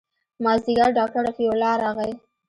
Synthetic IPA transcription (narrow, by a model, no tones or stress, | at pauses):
mɑzd̪ɪɡaɾɖɑk̚ʈaɾafiolɑɾɑɣaj